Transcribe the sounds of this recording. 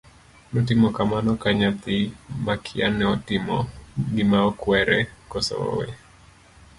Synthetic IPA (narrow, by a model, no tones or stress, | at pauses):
nɔtimɔkamanɔkaɲat̪imakʰianɛɔtimɔɡimaɔkwɛɾɛkɔsɔ̰ɔ̰wɛ̰